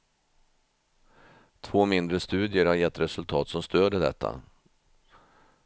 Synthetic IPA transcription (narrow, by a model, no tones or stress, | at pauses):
t̪ʰvoːmɪnd̪ɾəst̪ʉ̟ːd̪ɪəɾhaɾjɛt̪ːɾɛsɵlt̪ʰɑːt̪sɔmst̪øːd̪əd̪ɛ̰t̪ʰːa̰